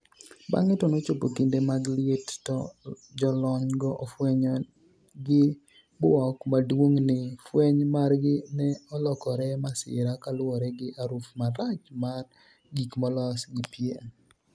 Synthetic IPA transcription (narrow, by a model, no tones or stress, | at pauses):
ba̰ŋɪtɔnot͡ʃopokindemaɡlettɔd͡ʒɔlɔɲɡɔʔofwɛɲɔ | ɡɪ | bʊɔkmadwoŋnɪfweɲmarɡɪnɛɔlɔkɔɾɛmasɪ̰ɾakalʊɔɾɛɡɪʔaɾufmaɾat͡ʃmar | ɡikmɔlɔsɡɪpje